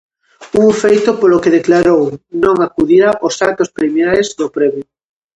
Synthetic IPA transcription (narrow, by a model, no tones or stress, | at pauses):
uŋfejt̪ʊpolokeðeklaɾownõŋakuðiɾaʔosakt̪ospɾimeaezðopɾeβʊ